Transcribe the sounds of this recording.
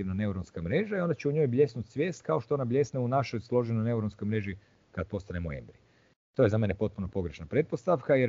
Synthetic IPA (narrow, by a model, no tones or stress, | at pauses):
iʋnane̞uɾonskamɾe̞ʒaio̞nd̪at͡ɕeuɲo̞jbʎʲe̞snut̪sʋje̞ːst̪kao̞ʃt̪oonablʲe̞sneunaʃo̞jslˠo̞ʒenojne̞uɾonsko̞jmɾe̞ʒi | kad̪̚po̞st̪anemoḛmbɾi | t̪o̞je̞zame̞nepo̞t̪̚punopo̞ɡɾeʃnapɾe̞t̪̚po̞st̪aʋkajeɾ